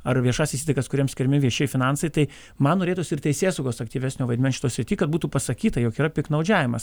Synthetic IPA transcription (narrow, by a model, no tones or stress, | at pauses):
ɐrʋʲiɛʃɑːsʲɪsʲiːt̪ɐɪkɐskʊɾʲiɛmsʲkʲɪɾʲmʲɪʋʲiɛʃʲɛɪfʲɪnɐnsɐɪt̪ɐɪ | mɐnnoːɾʲeːt̪uːsʲɪɪrt̪ʲɛɪsʲeːsɐʊɡoːsɐkt̪ʲiːʋʲæsʲnʲoːʋɐɪdʲmʲɛnʃʲɪt̪oːjsʲɾʲɪtʲiːkɐt̪̚buːt̪uːpɐsɐkʲiːt̪ɐjoːkiːɾɐpʲɪknɐʊd͡ʒʲæːʋʲɪmɐs